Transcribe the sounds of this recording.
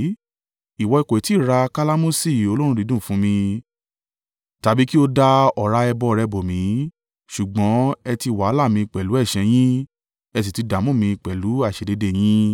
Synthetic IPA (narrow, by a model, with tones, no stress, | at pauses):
i˨wɔ˧i˧ko˨i˨ti˨˦˨ɾa˧ka˦la˦mũ˦si˦˨o˧lo˦ɾ̃ũ˧ɾi˨˦dũ˦˨fũ˦mĩ˧ | ta˨˧bi˦ki˦o˧da˧ɔ˨ɾa˧˦ɛ˧bɔ˧˨ɾɛ˧bo˨mĩ˨˦ | ʃu˨ɡ͡bɔ̃˨˦ɛ˧ti˧wa˨˦la˦˨mĩ˧i˧k͡pɛ˨lu˨˦ɛ˦˨ʃɛ̃˧j̃ĩ˦ | ɛ˧t̬i˨ti˨˧da˨˦mũ˦˨mĩ˧k͡pɛ˨lu˨˦a˦˨ʃe˨de˨˧de˦˨j̃ĩ˦